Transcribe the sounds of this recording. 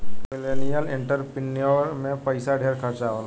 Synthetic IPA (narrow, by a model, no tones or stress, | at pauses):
mɪleːnijəlɪ̃ɳʈəɾpɪnijəɾmẽpəɪsaɖʱeːɾkʰəɾt͡ʃaol